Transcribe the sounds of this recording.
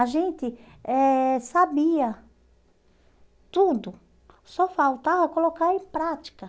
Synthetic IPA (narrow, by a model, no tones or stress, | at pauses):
aʒẽnt̪ɪ | ɛsabiɐ | t̪ud̪ʊ | sɔfawt̪avɐkolokaɾẽpɾat̪i̥kɐ